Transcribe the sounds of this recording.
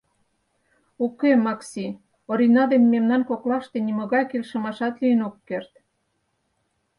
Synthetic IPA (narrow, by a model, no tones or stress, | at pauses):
ukemɑksi | oɾinɑd̪emːemnɑnkoklɑʃt̪enimə̆ɣɑjkelʃə̆mɑʃɑt̪liənokːert̪